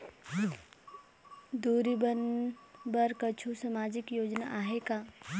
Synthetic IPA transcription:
d̪uːɾibənbəɾkət͡ʃʰusəmaːd͡ʒɪkjoːd͡ʒnaʔaːɦekaː

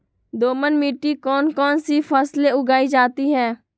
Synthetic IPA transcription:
d̪oːmənmiːʈikɔːnkɔːnsifʰəːsleʊɡaːid͡ʒaːt̪iɦɛː

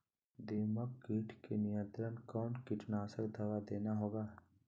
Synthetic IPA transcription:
d̪eːməkɡiːʈʰkenijə̃nt̪ɾənkɔːnkɪʈnaːsəkd̪ʱəʋad̪eːnaɦoːɡaː

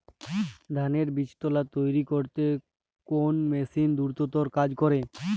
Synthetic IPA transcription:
d̪ʱaneɾbiʃt̪olat̪ojɾikoɾt̪e | konmesind̪uɾt̪ot̪oɾkad͡ʑkɔɾe

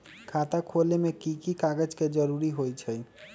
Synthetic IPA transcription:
kʰat̪akʰolemekikikaɡəd͡ʒked͡ʒəɾuɾiɦojt͡ʃʰə

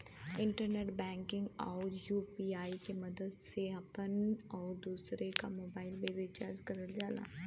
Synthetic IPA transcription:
ɪ̃ɳʈəɾneːʈbɛ̃ːŋkɪ̃ŋɡɔːɾjuːpiaːikemɐd̪əd̪seɐpənɔːɾd̪uːsɾekamoːbaːɪlʋeɾɪt͡ʃaːɾd͡ʒkɐɾəld͡ʒaːla̰ː

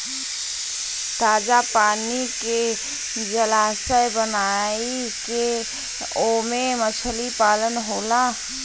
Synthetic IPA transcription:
t̪aːd͡ʒapaːnike | d͡ʒəlaːsəjbənai | ke | omemət͡ʃʰəlipaːlənɦola

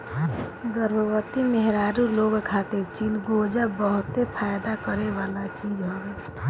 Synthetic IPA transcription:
ɡəɾʋəwət̪imeɦɾaːɾuloːɡkʰaːt̪et͡ʃiːlɡod͡ʒabəɦʊt̪epʰajd̪akəɾeʋaːlat͡ʃiːd͡ʒɦoɡɛ

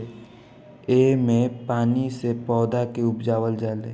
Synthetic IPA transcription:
eːmẽpaːnisepɔːd̪akeʊpd͡ʒaːwəld͡ʒaːlḛː

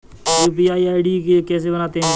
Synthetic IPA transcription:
juːp̬iːaːiːaːɪɖiːkkɛːs̬eːbənaːt̪ẽː

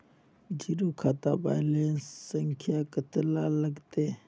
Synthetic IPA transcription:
d͡ʒiɾuːkʰaːt̪aba̰ːjlenssəŋkʰijaːkət̪laləɡt̪eː

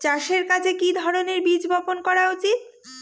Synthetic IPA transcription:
t͡ɕaʃeɾkat͡ɕʰekid̪ʱɔɾoneɾbid͡ʑbɔponkɔɾaut͡ɕit̪̚

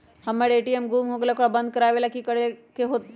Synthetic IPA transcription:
hamːeɽeʈiemɡuːmɦoɡelakoɽabənd̪̚kəɾaʋelakikəɽekeɦot̪

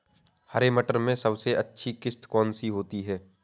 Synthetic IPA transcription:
hɐɾemɐʈəɾmẽsɐbseʔɐtːʃʰikɪst̪kɔːnsiɦoːt̪iɦɛː

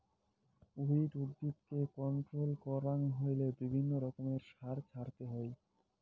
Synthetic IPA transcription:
uɦiʈuɾd̪itkekɔɳʈɾolkɔɾaŋɦojlebibʱinːoɾɔkomeɾʃaɾt͡ɕʰaɾt̪eɦɔj

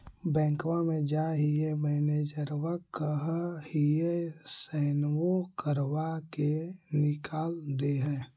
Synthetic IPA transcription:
bɛ̃ːŋkwamẽd͡ʒaɦiebəned͡ʒəɾwakəɦhijesəːnwokəɾwakenɪkʰaːld̪eɦɛ̃ː

